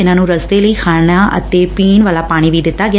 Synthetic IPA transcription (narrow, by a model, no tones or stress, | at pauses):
ɪnãːnũːɾəsd̪eːləiːkʰaːɽɳ̃aːʔə̰t̪eːpiːnʋaːlaːpaːɽ̃iːʋiːd̪ɪt̪ːaːɡɪ